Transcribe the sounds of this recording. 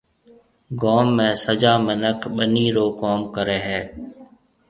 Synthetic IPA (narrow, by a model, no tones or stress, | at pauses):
ɡoːmːẽːsəd͡ʒaːmənəkʰɓəniːɾoːkoːmkəɾeːɦɛː